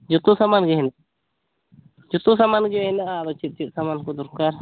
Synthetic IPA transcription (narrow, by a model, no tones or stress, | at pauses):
d͡ʒɔt̪usamanɡɛɦɛna | d͡ʒɔt̪usamand͡ʒɔɛnaʔaɾɔt͡ʃit̪̚t͡ʃit̪̚ˀsamankɔd̪uɾkaɾ